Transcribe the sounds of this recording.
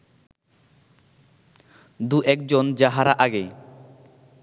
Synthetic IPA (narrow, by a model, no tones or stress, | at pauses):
d̪uʔɛkd͡ʑond͡ʑaɦaɾaʔaɡe